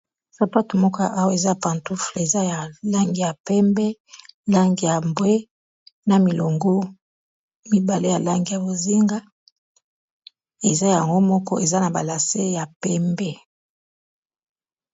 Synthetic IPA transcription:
sa˨pa˦tu˨mɔ˦kɔ˦a̰˨ʔa˦wa˦e˨za˦jpa˨ntu˦fle˨za˦ja˨la˦ŋɡi˨ja˨pɛ˦mbɛ˦la˦ŋɡi˨ja˨mbwe˦ | na˨mi˨lo˨ŋɡo˦ | mi˦ba˨le˦ja˨la˦ŋɡi˨ja˨bo˨zi˦ŋɡa˦ | e˨za˦ja˨ŋɡo˦mɔ˦kɔ̰˦ʔe˨za˦na˨ba˨la˨se˦ja˨pɛ˦mbɛ˦

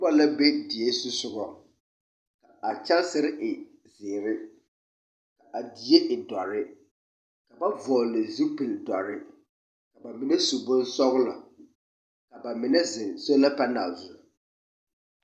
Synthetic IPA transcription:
ʊ˦ba˦la˦be˦dɪ˨e˦su˦sʊ˦ɣɔ˦ | ka˨a˨t͡ʃa˦lsɪ˦ɾɪ˦ʔɪ˨ | zɪː˨ɾɪ˦ | ka˨ʔa˨di˨je˦ʔɪ˨dɔ˨ɾɪ˦ | ka˨ba˦vɔː˨lɪ˨zu˦pi˨ldɔ˨ɾɪ˦ | ka˨ba˨mɪ˨nɛ˦su˨bʊ̃˦nsɔ˦ɣʊ˦la˨ | ka˨ba˨mɪ˨nɛ˦zɪ˨so˦la˦pa˦na˨lzʊ˨

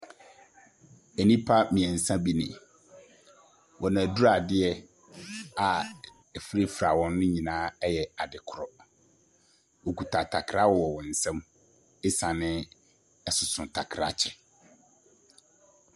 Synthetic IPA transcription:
ɛ˨nĩ˦pʰa˦mĩ˨ɛ̃˨n̩˨sã˦bi˦nɪ̰̃˨ | wʔɔ˨nã˨du˦ɾa˨dɪ˦ɛ˦ | a˨ | ɛ˨fɾe˦fɾa˨wɔ̃˦n˦nʊ̃˦ɲĩ˨nãː˨˦jɛ˨a˨dɪ˨kʰʊ˨ɾɔ˨ | wo˨ku˨tʰa˨tʰa˨kʰɾa˦wɔ˨wɔ˨wɔ̃˨n̩˨sɛ̃˦m | ɪ˦sã˨nɪ̃˦ | ɛ˨sʊ˨sʊ̃˨n˨tʰa˨kʰɾa̰˦t͡ɕʰɛ˨

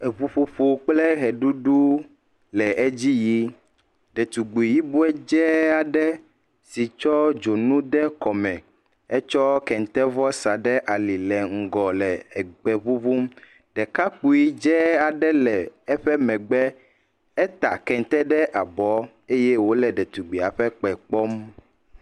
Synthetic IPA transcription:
ɛ˨βu˦ɸu˦ɸo˦k͡plɛ˦ɦɛ˨ɖu˦ɖu˦ | lɛ˨ɛ˦d͡ʑi˦ji˦ | ɖɛ˨t̪u˨ɡ͡bu˨i˨ji˦bu˦ɛ˦d͡ʒɛ˦a˨ɖɛ˦ | si˨t͡ʃɔ˦d͡ʒo˨nũ˦ɖɛ˦kɔ˨mɛ̃˨ | ɛ˦t͡ʃɔ˦kɛ˨ŋ˨t̪ɛ˦vɔ˦sa˨ɖɛ˦ʔa˨li˨lɛ˨ŋ̩˨ɡɔ˨lɛ˨ɛ˨ɡ͡bɛ˨βu˦βu˦m | ɖɛ˨ka˦k͡pu˦ji˦d͡ʒɛ˦a˨ɖɛ˦lɛ˨ɛ˦ɸɛ˦mɛ̃˨ɡ͡bɛ˦ | ɛ˦t̪a̰˨kɛ˨ŋ˦t̪ɛ˦ɖɛ˦ʔa˨bɔ˨˦ | e˦jɛ˦wo˦lɛ˨ɖɛ˨t̪u˨ɡ͡bi˨a˨ɸɛ˦k͡pɛ˨k͡pɔ˦m

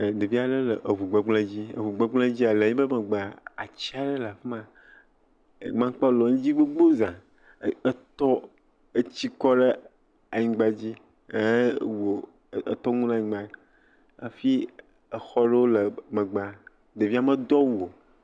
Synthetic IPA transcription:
de˨vi˦a˨ɖe˦lə˨ʔe˨vu˨ɡ͡be˨ɡ͡blẽ˦d͡ʑi˦ḛ˨vu˨ɡ͡be˦ɡ͡blẽ˦d͡ʑi˦a˨le˨ɲĩ˦bə˦mə˨ɡ͡ba˨a˨t͡ɕi˦a˨ɖe˦la˨fe˦mã˨ | mã˦k͡pɔ˦lɔ˨ŋ̩̃˦d͡ʑi˦be˦ɡ͡bo˦zã˨˦ | ə˦t̪ɔ˦ | e˦t͡ɕi˦kɔ˦ɖe˦ | a˨ɲĩ˨ɡ͡ba˦d͡ʑi˦˨ | wo˨ | ḛ˦t̪ɔ˦ŋũ˦nã˦ɲĩ˨˦ɡ͡ba˨i˦ | a˨fi˦ | ə˨xɔ˦ɖe˦wo˦lə˨me˨ɡ͡ba˨ | de˨vi˦a˦mə˦d̪ɔ˦wu˨o˨

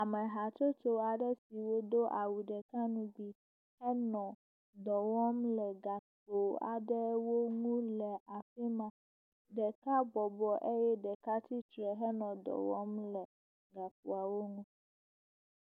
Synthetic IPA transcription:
a˨mɛ˨ɦa˨t͡ʃo˦t̪o˦a˨ɖɛ˦si˨wo˦d̪o˦ʔa˨wu˨ɖɛ˨ka˦nũ˦ɡ͡bi˨ | hɛ˦nɔ̃˨ | d̪ɔ˨wɔ˦mlɛ˨ɡa˨ko˨a̰˨ɖɛ˦wo˦ŋũ˦lɛ˨ʔa˨fɛ˦mã˨ | ɖɛ˨ka˦bɔ˨bɔ˨ʔe˦jɛ˦ɖɛ˨ka˦t̪i˦t̪ɾɛ˨ɦɛ˦nɔ̃˨d̪ɔ̰˨wɔ̰˦mlɛ˨ | ɡa˨ko˨a˨wo˦ŋũ˦

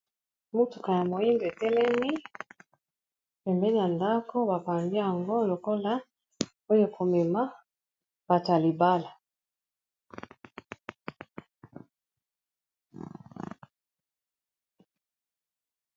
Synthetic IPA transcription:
mu˦tu̥˨ka˨ja˨mo˨i˦ndo˨e˨tɛ˦lɛ˦mi˦ | pɛ˨mbɛ˦n˨˦a˨nda˦ko˦ba˨pa˨mbi˦ja˨ŋɡo˦lo˨ko˦la˦ | o˦jo˨ko˨mɛ˨ma˦ | b̥a˨ta˨li˨ba˦la˨

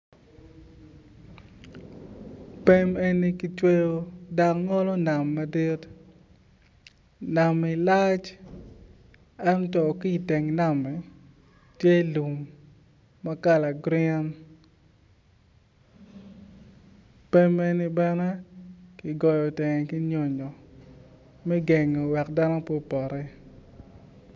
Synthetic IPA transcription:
pe˦me˦ni˦ki˨t͡ʃwe˦jo˦da˨kŋɔ˦lɔ˦na˨mːɐ˨di˦t | na˨mi˨la˦t͡ʃ | ɛ˦ntɔ˨ki˦˨te˨ŋna˦˨mɛ˨ | tje˦lu˨mː | a˦ka˦˨la˨ɡɾɪɛ˦n | pe˦me˦ni˦bɛ˦nɛ˦ki˨ɡɔ˨jɔ˨te˨ŋɛ˨ki˦ɲo˨ɲɔ˨ | mɛ˦ɡe˨ŋo˨wɛ˨kda˦no˦po˦pɔ˨ɾɛ˦

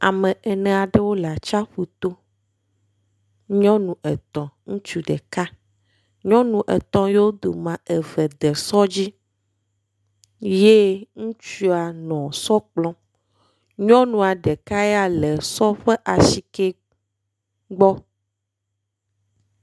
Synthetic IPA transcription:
a̰˨mɛ̃˨ɛ˨nɛ̃˨a˨ɖe˦wo˦la˨t͡ʃa˦ɸu˨t̪o˦ | ɲɔ̃˦nũ˨ɛ˨t̪ɔ̃˨ŋũ˦t͡ʃu˨ɖɛ˨ka˦ | ɲɔ̃˦nũ˨ʔɛ̰˨t̪ɔ̃˦je˦wo˦d̪o˨mã˨ɛ˨vɛ˨d̪ɛ˨sɔ˦d͡ʑi˦ | je˦ŋũ˦t͡ʃu˦a˨nɔ̃˨sɔ˦k͡plɔ̃˦ | ɲɔ̃˦nũ˨a˨ɖɛ˨ka˦ɛ˦a˨lɛ˨sɔ˦ɸɛ˦ʔa˨si˨ke˦ | ɡ͡bɔ˦

